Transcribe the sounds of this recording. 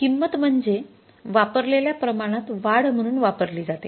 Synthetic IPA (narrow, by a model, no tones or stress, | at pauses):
kimːət̪m̤əɳd͡ze | ʋapəɾleljapɾəmaɽ̃at̪ʋaɽm̤əɽ̃uːnʋapəɾliːd͡zat̪e